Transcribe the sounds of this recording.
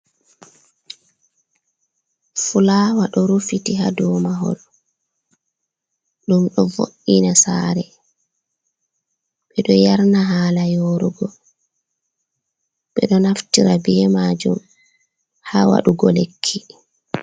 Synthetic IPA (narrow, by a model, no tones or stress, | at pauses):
fulaːwaɗɔɾufitihadɔːmaɦɔ̰l | ɗumɗɔvo̰ʔːinasaːɾɛ | ɓɛɗɔjaɾnaɦaːlajoːɾuɡɔ | ɓɛɗɔnaftiɾabɛmad͡ʒum | hawa̰ɗuɡɔlekʰːi